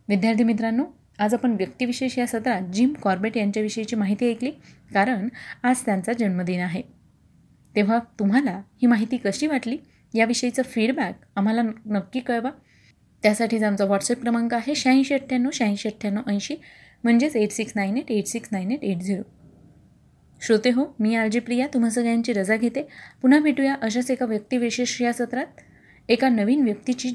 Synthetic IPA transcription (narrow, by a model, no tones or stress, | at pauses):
ʋid̪jaɾt̪ʰimit̪̬ɾanːo | ad͡zapəɳʋjək̚t̪iːʋiɕeɕjasət̪ɾad͡ʑimkɔɾbeʈjaɲt͡ɕjaʋiɕəjit͡ɕiːmaɦit̪iːekliːkaɾəɳad͡zt̪jant͡sad͡ʑəɳməd̪inaɦe | t̪ẽʋ̤at̪um̤alahiːmaɦit̪iːkəɕiːʋaʈliː | jaʋiɕəjt͡səfiɽbak̚ | am̤alanəkːiːkəɭʋa | t̪jasaʈʰiːd͡zamt͡saʋɔʈsep̚kɾəmaŋkaaɦeɕãj̃ɕeʈʰjanːoɕãj̃ɕeʈʰjanːoʔə̃j̃ɕiːm̤əɳd͡zet͡seʈsiksnaineʈeʈsiksnaineʈeʈd͡zʱiɾu | ɕot̪eɦomiːald͡ʑipɾijat̪um̤as̬əɡɭjaɲt͡ɕiːɾəd͡zaɡʱet̪epun̤apiʈujaʔəɕ̬at͡sekaʋjək̚t̪iːʋeɕeɕɾijasət̪ɾat̪̚ | ekanəʋiːnʋjək̚t̪it͡ɕiː